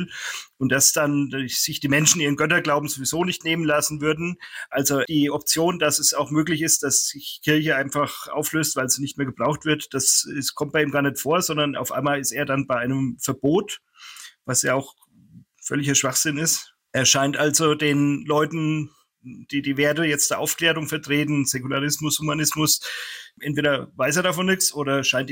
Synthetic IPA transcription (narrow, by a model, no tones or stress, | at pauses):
ʔʊntd̥asd̥anz̥ɪçd̥iːmɛnʃn̩ʔiːʁənɡœtɐɡlaʊbm̩zovizoːnɪçtneːmənlasn̩vʏɐdn̩ʔalzod̥iːʔɔp̚t͡sjoːndasɛsaʊxmøːklɪçɪst̚d̥asz̥ɪçkʰɪɐçəaɪnfaχʔa̰ʊfløːstv̥aɪlz̥iːnɪçtmeːɐɡəb̥ʁaʊxtv̥ɪɐtd̥asɪskʰɔmt̚b̥aɪʔiːmɡaːɐnɛtfoːɐzɔndɐnʔa̰ʊfʔa̰ɪmaːlɪstʔeːɐdanbaɪʔaɪnəmfɛɐboːt | vasjaaʊx | fœlɪçɐʃv̥aχz̥ɪnɪst | ʔeːɐʃaɪntʔalzodeːnlɔʏtn̩ | d̥iːdiːveːɐtəjɛt͡std̥eːɐʔaʊfkl̥eːʁʊŋfɛɐtʁ̥eːtn̩z̥ɛkulaʁɪsmʊshumanɪsmʊsʔɛntv̥eːɾɐvaɪseːɐɾafɔnːɪkt͡ssʔoːɾɐʃaɪnt